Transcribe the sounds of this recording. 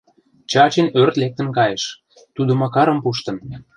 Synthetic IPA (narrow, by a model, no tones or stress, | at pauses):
t͡ɕɑt͡ɕenørt̪lek̚t̪ə̆nkɑjeʃ | t̪ud̪ŏmɑkɑɾə̆mpuʃt̪ɤ̆n